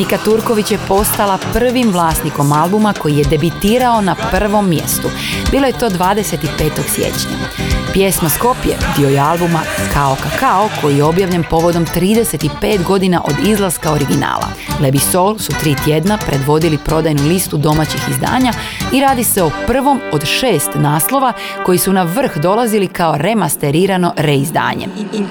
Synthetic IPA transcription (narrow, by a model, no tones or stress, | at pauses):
nikat̪uɾkoʋit͡ɕje̞po̞st̪alapr̩ʋimʋlˠaːst̪niko̞malˠbumako̞jije̞d̪e̞bit̪iːɾao̞napr̩ʋo̞mːje̞̰st̪u | biːlˠo̞jet̪o̞ːd̪ʋaːd̪e̞se̞t̪ipe̞ːt̪o̞ɡ̥sjḛt͡ɕɲa̰ | pje̞smosko̞pjḛd̪io̞jealbumakaokakaokʰo̞jijeo̞bjaʋʎenpo̞ʋo̞d̪o̞mt̪ɾiːd̪e̞se̞t̪ipe̞ːt̪ɡo̞d̪inaʔo̞d̪izlˠazkao̞ɾiɡina̰ːlˠa̰ | lebiso̞lˠsut̪ɾiːt̪jed̪napɾe̞d̪ʋo̞d̪ilipɾo̞d̪ajnulist̪ud̪o̞mat͡ɕixizd̪a̰ːɲa | iɾaːd̪ise̞o̞pr̩ʋo̞mo̞d̪ʃe̞ːst̪naːslˠo̞ʋa | ko̞jisunaʋr̩xd̪o̞lazilikaoɾe̞mast̪e̞ɾiːɾano̞ɾe̞izd̪a̰ːɲḛ